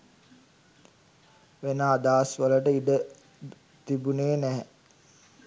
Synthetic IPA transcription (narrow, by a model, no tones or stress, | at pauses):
ʋenaːd̪aːsʋələʈəiɖə | t̪ibuneːnæɦ